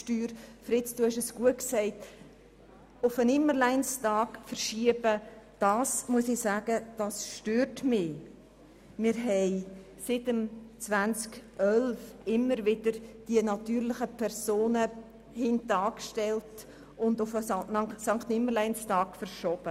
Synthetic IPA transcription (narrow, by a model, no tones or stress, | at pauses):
ʃtyːɾfɾɪt͡sd̥uhɛʃəsɡ̥uətksɛɪt | ʊfənɪmːəlaɪnstɑːkfəɾʃiəb̥əd̥ɑːsmuəsɪsaːɡ̥əd̥ɑsʃtøːɾtmɪ | mɪɾɦɛɪ | sɪtəmt͡svænt͡skʔœlfɪmːəɾvɪd̥əɾd̥iənɑtyːɾlɪχəpʰɛɾsoːnə | hɪntɑːkʃtɛlt | ʊndʊfənsɑŋktɪməɾlaɪnstɑːkfəɾʃɔb̥ə